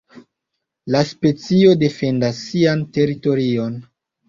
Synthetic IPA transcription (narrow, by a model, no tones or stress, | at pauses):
laspe̞t͡sio̞de̞fe̞ndasːiante̞ɾito̞ɾio̞n